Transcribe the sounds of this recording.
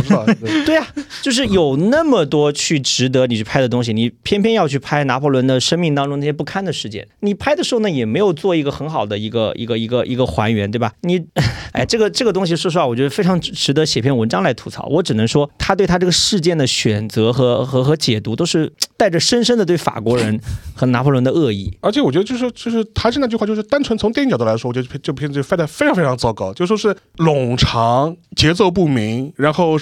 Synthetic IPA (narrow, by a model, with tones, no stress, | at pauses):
t̪we˥˩ɪɐ˩t͡ɕjo˥˧ʊʂ̬ɻ̩˥˩jo˨˩ʊnə˥˩mə˨˩t̪wɔ˥t͡ɕʰy˥˩ʈ͡ʂɻ̩˧˥t̪̬ɤ˧˥ni˨˩t͡ɕʰy˥˩pʰa˥ɪd̪ə˨t̪̬ʊ˥ŋɕ̬i˨ni˨˩pʰjɛ˥npʰjɛ˥˧njɑ˥˧ʊt͡ɕʰy˥˧pʰa˥ɪna˧˥pʰɔ˥˩lwə˧˥nd̪ə˧˨ʂə˥ŋmi˥˩˧ŋt̪ɑ˥ŋʈ͡ʂʊ˥na˥˩ɕ̬ɛ˥pu˥˧kʰa˥˩nd̪ə˩ʂɻ̩˥˩t͡ɕjɛ̰˥˩nni˨˩pʰa˥ɪə˨ʂɻ̩˧xo˥˩nə˧jɛ˨˩me˧˥ɪjo˨˩ʊt͡swɔ˥˩i˧˥ɡə˧xə˧˥nxɑ˨˩ʊd̪ə˦i˧˥ɡə̰˧ḭ˧˥ɡə˧i˧˥ɡə˧ʔḭ˧˥ɡə˧xwa̰˧˥nɥɛ˧˥nt̪we˥˩a˨˩ni˨˩a̰˥˩ʈ͡ʂɤ˥˩ɡə˩ʈ͡ʂɤ˥˩ɡə˩t̪̬ʊ˥ŋɕ̬i˨ʂɔ˥ʂ̬wɔ˨˩t͡ɕo˧˥˧fe˥ɪʈ͡ʂʰɑ˧˥ŋ˥˩ʈ͡ʂɻ̩˧˥t̪ɤ˧˥ɕjɛ˨˩pʰjɛ˥˩nwə˧˥nʈ͡ʂɑ˥ŋla˧˥ɪt̪ʰu˧˥t͡sʰɑ̰˨˧˩ʊwʔɔ˧˥ʈ͡ʂɻ̩˨˩nə˧˥ŋʂwɔ˥t̪ʰa˥t̪we˥˩ɪt̪ʰa˥ʈ͡ʂɤ˥˩ɡə˩ʂɻ̩˥˧t͡ɕjɛ˥˩nd̪ə˩ɕɥɛ˨˩nt͡sɤ˧˥xɤ˧˥xɤ˧˥xɤ˧˥t͡ɕjɛ˨˩t̪u˧˥t̪o˥ʊʂɻ̩˥˩˧t̪a˥˩ɪʈ͡ʂə˩ʂə˥nʂə˥nd̪ə˨t̪we˥˩ɪfa̰˨˩kwɔ˧˥ɻə˧˥nxɤ˧˥na˧˥pʰu˥˩lə˧˥nd̪ə˧ɤ˥˧ḭ˥˩ə˞˧˥t͡ɕʰjɛ˧˥wɔ˨˩t͡ɕɥɛ˥ə˧t͡ɕo˥˧ʊʂɻt͡ɕo˥˧ʊʂɻ̩˥˩t̪ʰa˥ʂɻna˥˩t͡ɕy˥˧xa˥˧t͡ɕjo˥˧˩ʂɻ̩˥˩t̪a˥nʈ͡ʂʰwə˧˥nt͡sʰʊ˧˥ŋt̪jt͡ɕt̪la˧ɪʂɔwɔ˨˩ɥɛ˥ə˧˥˧ʈ͡ʂpʰt̪a˥˩fe˥ʈ͡ʂʰɑ˧˥fe˥ʈ͡ʂʰŋt͡sɑ˥˧ʊkɑ˥˩ʊt͡ɕjo˥˧ʊʂ̩˥ʂʂɻ̩˥˩ | lʊ˨˩ŋʈ͡ʂʰɑ˧˥ŋt͡ɕjɛ˧˥t͡so˥˧ʊp̬u˥˩mi˧˥ŋɻa˧˥nxo˥˧ʊ